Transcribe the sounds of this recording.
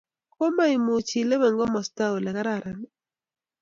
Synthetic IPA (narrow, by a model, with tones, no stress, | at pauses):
ko˦ma˦i˨mʊ˨t͡ʃi˨le˦βɛ˨ŋɡɔ˦mɔ˨sta˦o˨lɛ˨ka˦ɾa˦˨ɾa˨n